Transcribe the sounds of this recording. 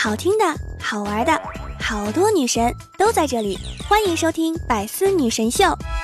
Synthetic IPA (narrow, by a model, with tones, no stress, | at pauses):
xɑ˨˩ʊt̪ʰi˥ŋd̪ə˨xɑ˨˩ʊə˞˧˥d̪ə˧xɑ˨˩ʊt̪wɔ˥ny˨˩ʂə˧˥n | t̪o˥ʊt͡sa˥˧ɪʈ͡ʂɤ˥˩li˨˩˦xwa˥ni˧˥ŋʂo˥ʊt̪ʰi˥ŋpa˨˩ɪsɹ̩˥ny˨˩ʂə˧˥nɕjo˥˩ʊ